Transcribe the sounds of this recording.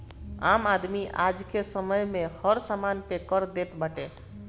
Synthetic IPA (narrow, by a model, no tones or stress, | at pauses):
amad̪miʔad͡ʒkesəməjmehəɾsamanpekəɾd̪et̪bəʈe